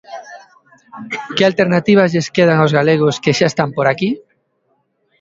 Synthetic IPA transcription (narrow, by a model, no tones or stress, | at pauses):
kealt̪eɾnat̪iβ̞azʎeskeð̞aŋawzɣaleɣ̞oskeʃaest̪ampoɾaki